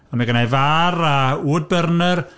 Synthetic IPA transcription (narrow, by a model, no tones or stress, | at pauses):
amɛɡənajvarauːd̚bərnər